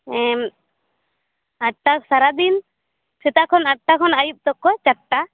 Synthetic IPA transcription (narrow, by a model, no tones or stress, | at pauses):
ɛ | aʈaksaɾad̪in | sɛt̪akʰɔnaʈ̚ʈakʰɔnajup̚t̪ɔkːɔt͡ʃaʈːa